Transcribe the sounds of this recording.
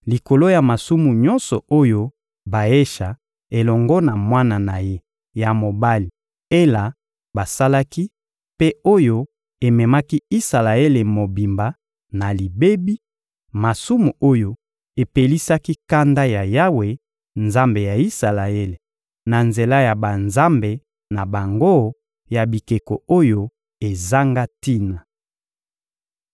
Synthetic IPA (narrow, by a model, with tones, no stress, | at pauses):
li˨ko˨lo˦ja˨ma˨su˦mu˨ɲɔ̃˦nsɔ˨o˦jo˦ | ba˨e˦ʃa˨ | e˨lɔ˨ŋɡɔ˦na˨mwa˦na˨na˨je˦ | ja˨mo˨ba˦li˨ | e˦la˨ | ba˨sa˦la˦ki˦ | pe˦o˦jo˦ | e˨mɛ˨ma˦ki˦i˦sa˨la˨e˦le˨mo˨bi˨mba˨ | na˨li˨be˦bi˦ | ma˨su˦mu˨o˦jo˦ | e˨pe˨li˦sa˦ki˦ka˦nda˦ja˨ja˦we˨ | nza˦mbe˨ja˨i˦sa˨la˨e˦le˨ | na˨nze˨la˦ja˨ba˨nza˦mbe˨ | na˨ba˨ŋɡo˦ | ja˨bi˨ke˨ko˨o˦jo˦ | e˨za˦ŋɡa˦ti˦na˨